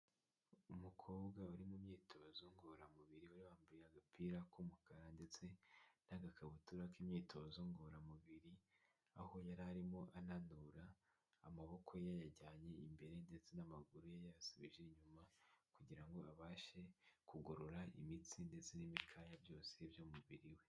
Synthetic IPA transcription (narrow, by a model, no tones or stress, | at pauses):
umukʰo̞ːbɡauɾimumɲiːtʰo̞zoŋɡoɾamuβiɾiuɾiβaːmbiɾaɡapʰiːɾakumukʰaɾande̞t͡se̞naɡakʰaβutuɾakimɲiːtʰo̞zoŋɡoɾamuβiɾi | a̰ho̞jaɾaɾimo̞ʔananuɾaː | maβo̞kʰo̞jajaɟaːɲe̞imbe̞ɾe̞nde̞t͡se̞namaɡuɾujajaasiβiʒeɲumakuɟiɾaŋɡo̞aβaːʃe̞kuɡoɾoɾaʔḭmit͡sinde̞t͡se̞nimikʰajabjo̞ːse̞bjomuβiɾiwe